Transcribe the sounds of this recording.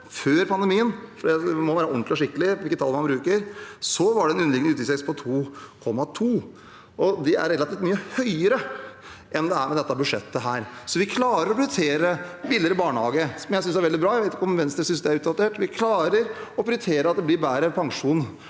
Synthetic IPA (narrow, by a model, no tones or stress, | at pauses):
føːɾpʰɑnd̪əɛmiːənfɔɖ̪ɛmɔʋæːɾəɔnt̪lɪɔʂɪkːəlɪʋɪlkːət̪ʰɑlmɑnbɾʉːkəɾsɔʋɑɖɛɛnʉnəlɪɡəʉːt̪ʰɪsɛkspʰɔt̪ʰuːkʰɔmːɑt̪ʰuː | ɔd̪ɛæ̰ɾɛlɑt̪iːft̪myːəhœʏəɾə | ʔɛnd̪ɛæɾmɛd̪ɛt̪ːɑbʉʂɛt̪ːəɦæːɾsɔʋɪkʰlɑːɾəɾɔpʰɾt̪ʰeːɾəbɪləɾəbɑːɳəhɑ̰ːɡəsɔmjæɪsʏnsæɾʋɛld̪ɪbɾɑːjæɪʋeɪt̪ɪkəɔmʋɛnsd̪ɛsʏnsd̪ɛæɾʉːt̪d̪ɑt̪ʰeːʈʋɪkʰlɑːɾəɾɔpʰɾt̪ʰeːɾəɑt̪̚d̪ɛblɪɾbæːɾəpʰɑŋʂuːn